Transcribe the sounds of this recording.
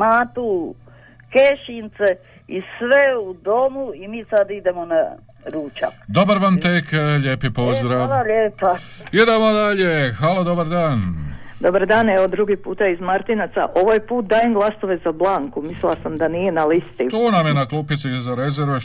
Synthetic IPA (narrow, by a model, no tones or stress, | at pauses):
maːt̪u | keʃint̪se | isʋeud̪omuimiːsad̪id̪emona | ɾuːt͡ʃa̰kd̪o̞baɾʋamt̪ekʎeːpipo̞zd̪ɾaːʋaʎepaid̪emod̪aʎexalod̪obaɾd̪aːnd̪o̞baɾd̪aːneʋod̪ɾuɡipuːt̪aizmaɾt̪inat̪sa̰ʔo̞ʋajpuːt̪̚d̪aːjimɡlˠast̪oʋe̞zablˠaːŋkumislilˠasamd̪anijenalist̪it̪unamjenaklˠuːpit̪sizaɾezeɾʋe